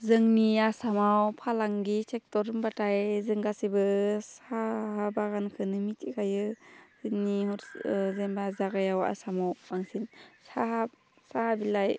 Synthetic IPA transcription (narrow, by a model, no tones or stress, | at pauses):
zɯŋniasamawpʰalaŋɡisek̚tɔɾɯmbatʰajzɯŋɡasibɯsahabaɡankʰɯnɯmitʰikʰajɯzɯnihɔɾzembazaɡajawa̰samawaŋsinsaɦab̚ | sahabilaj